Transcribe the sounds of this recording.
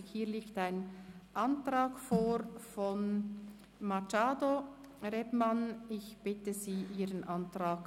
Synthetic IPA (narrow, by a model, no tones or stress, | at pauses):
hiːɐliːktaɪnʔɑntʁaːkfoːɾfɔn | mat͡ʃaːdo | ʁɛbmanɪçb̥ɪtəziːʔiːʁənʔantʁaːk